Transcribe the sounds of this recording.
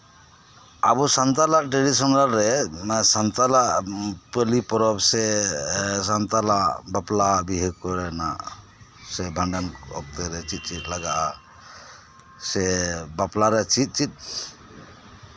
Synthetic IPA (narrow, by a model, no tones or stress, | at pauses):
abusant̪alaʔʈɾeɖisɔnalɾɛsant̪alaʔpəlipɔɾɔbsɛ | sant̪alaʔbaplabiɦekɔɾɛna̰ʔ | sɛbʱaɳɖanɔk̚t̪ɛɾɛt͡ʃit̪̚ˀt͡ʃit̪̚laɡaʔa | sɛbaplaɾɛt͡ʃit̪̚ˀt͡ʃit̪̚ˀ